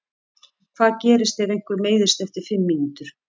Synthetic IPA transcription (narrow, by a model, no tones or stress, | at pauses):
kʰv̥aːðcɛːɾɪst̪θɛðejŋ̥kvʏɾmeːjðɪst̪ɛft̪ɪɾ̥fɪmːinuːt̪ʏɾ̥